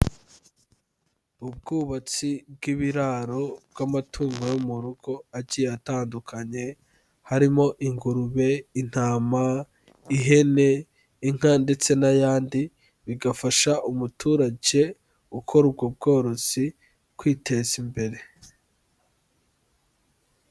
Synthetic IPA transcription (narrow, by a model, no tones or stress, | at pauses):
ub̚ɡuːβat͡sibɡiβiɾaɾo̞b̚ɡ̥amatʰuːŋɡojomuɾuɡo̞aɟiːjataːndukʰaɲe̞ | haɾimo̞ʔiŋɡuɾuβe̞in̥haːma | iɦe̞ne̞ | iŋ̥ande̞t͡se̞najaːndi | βiɡafaʃaʔumutʰuːɾaɟe̞ | ukʰo̞ɾub̚ɡob̚ɡo̞ːɾo̞z̥i | kwiːte̞zimbe̞ɾe̞